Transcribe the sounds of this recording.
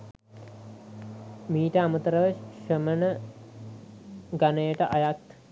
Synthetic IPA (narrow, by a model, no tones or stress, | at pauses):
miːʈəamət̪əɾəʋəʃəmənə | ɡanəjəʈəʔajak̪